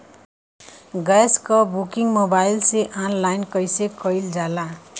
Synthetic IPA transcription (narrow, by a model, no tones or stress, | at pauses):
ɡaskʌbukiŋmobajlseʔanlajnkʌjsekʌjld͡zala